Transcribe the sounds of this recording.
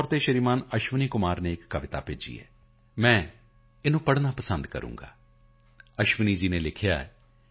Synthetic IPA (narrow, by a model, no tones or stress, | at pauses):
ɔɾt̪eːʃəɾiːmaːnəʃʋəniːkʊmaːɾneːɪkːəʋɪt̪a̰ːpḛːd͡ʒḭːɛ̰ː | mɛ̃ː | ɪnũːpəɽnaːpəsənd̪kə̰ɾṵ̃ːŋɡa̰ː | əʃʋəniːd͡ʒiːneːlɪkʰɪja̰ːɛ̰ː